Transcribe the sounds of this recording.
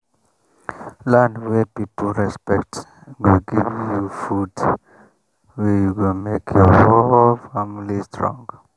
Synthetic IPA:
lãndwɛpipəl̩ˠɹɛspɛk̚t | wilɡivjufud | wɛjuwɛlmekʰjɔwɛfamlistɹɔ̰̃ŋɡ

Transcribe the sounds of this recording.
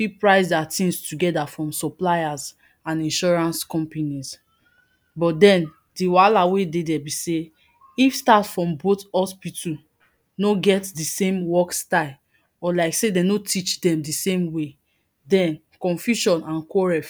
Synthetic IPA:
fipɹaɪsdatĩŋstuɡɛdafɹɔ̃msɔplajaz | ãnĩnʃɔɹãnskɔ̃mpanis | bɔt̚dɛ̃n | diwalawededɛbise | ifstatfɹɔ̃mbotɔspitʰu | noɡɛtdisẽmwɔkstaɪl | ɔlaɪksedɛ̃notʰit͡ʃdɛ̃mdisẽmwe | dɛ̃n | kɔ̃nfjuʃɔ̃nãnkɔɹɛf

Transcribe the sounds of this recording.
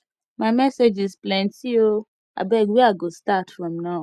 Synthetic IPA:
mamɛsed͡ʒisplɛ̃nsio | a̰bɛɡwiaɡostatfɹɔ̃mna

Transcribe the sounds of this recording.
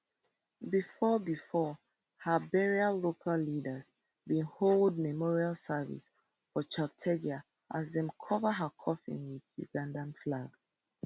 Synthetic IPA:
bifɔbifɔ | həbɛɹiallokʰalːidəz | bĩnholˠd̚mɛmɔɹialˠsəvḭs | fɔt͡ʃak̚tʰɛɡia | ʔazðɛ̃mkʰɔvəɦəkʰɔfḭ̃nwiðjṵɡãndãnflaɡ̥

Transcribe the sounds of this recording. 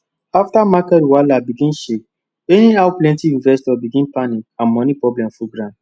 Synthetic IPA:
aftamakɛɾwalabiɡĩnʃik̚ | eniawplɛ̃ntiĩnvɛstɔbiɡĩnpanikãnmɔnipɹɔblɛ̃mfuɡɾãnd

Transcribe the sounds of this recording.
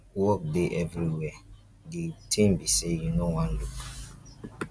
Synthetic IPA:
wɔk̚deʔɛvɹiwɛ | ɡitʰĩmbisejunowãnluk

